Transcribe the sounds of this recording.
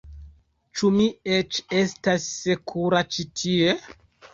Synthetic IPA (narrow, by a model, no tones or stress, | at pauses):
t͡ʃumiet͡ʃe̞stasːekʰuɾat͡ʃitʰie̞